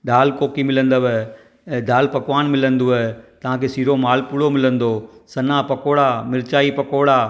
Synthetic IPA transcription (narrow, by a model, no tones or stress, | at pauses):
ɗaːlkoːkimɪlə̃nd̪əʋɛ | d̪aːlpɐkʋaːnmɪlə̃nd̪oɛt̪ɐʋ̤ãkʰeːsiːɾomaːlpʊɽomɪlə̃nd̪oːsɐnapɐkoːɽaːmɪɾt͡ɕaːipɐkoːɽaː